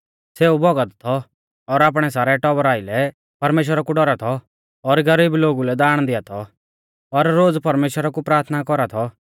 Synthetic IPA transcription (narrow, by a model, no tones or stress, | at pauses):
seːubɔɡət̪t̪ʰɔ | ɔɾaːp̬ɽ̃ɛsaːɾɛʈɔbɾaːɪlɛ | pɐɾmeːʃ̬wəɾakuɖɔɾat̪ʰɔ | ɔɾɡɐɾiːbloːɡulɛd̪aːɽ̃d̪ɪat̪ʰɔ | ɔɾːoːd͡zpɐɾmeːʃwəɾakupɾaːɾt̪ʰnakɔɾat̪ʰɔ